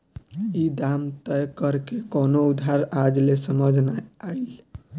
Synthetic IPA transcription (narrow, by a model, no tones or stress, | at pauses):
id̪amt̪ɛjkəɾkekonoud̪ʱaɾad͡ʒlesəməd͡ʒʱnajail